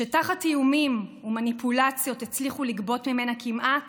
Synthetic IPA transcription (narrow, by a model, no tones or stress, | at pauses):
ʃetaχatːijumimumanipʰulat͡sjo̞tet͡sliχuliɡbo̞tmime̞nakʰimʔa